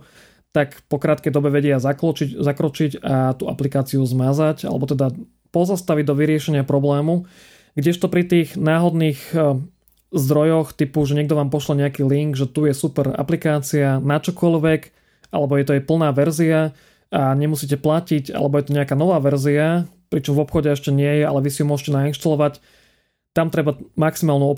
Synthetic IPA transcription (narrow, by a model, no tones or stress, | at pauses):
t̪akpɔkɾaːt̪̚kɛjd̪ɔbɛʋɛɟɪazakɔt͡ʃizakɾɔt͡ʃicat̪ua̰plikaːt͡siuzmazaca̰lɛ̰bɔt̪ɛd̪a | pɔzast̪aʋiɟ̚d̪ɔʋiɾɪɛʃɛɲɪapɾɔblɛːmu | ɡɟɛʃt̪ɔpɾit̪iːɣnaːɦɔd̪niːɣ | zd̪ɾɔjɔxt̪ipuʒɛɲɛɡ̚d̪ɔʋaːmpɔʃlaɲɛakiːliŋɡʒɛt̪ujɛsupɛɾa̰plikaːt͡sianat͡ʃɔkɔʎʋɛk | ʔa̰lɛbɔjɛt̪ɔɛjpl̩naːʋɛɾzia | aɲɛmusiːc̬ɛplacica̰lɛbɔjɛt̪ɔɲɛakaːnɔʋaːʋɛɾziapɾit͡ʃɔmvɔpxɔɟɛɛʃcɛɲɪɛjɛa̰lɛʋisijɔmʊɔʒcɛnainʃt̪alɔʋac | t̪amt̪ɾɛbamaksimaːlnuɔ